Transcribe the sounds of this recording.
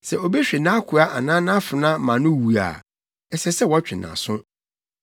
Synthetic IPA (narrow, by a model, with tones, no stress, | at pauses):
sɛ˨o˨bɛ˦ɕᶣɪ˨nã˦kʰʊ˨a˦ʔa˨nãː˦nã˦fʊ˨nã˦mã˨nʊ̃˦˨wu˨a̰˨ | ɛ˨sɛ˦sɛ˦wɔ˨˦t͡ɕᶣɪ˨nã̰˨sʊ̃˦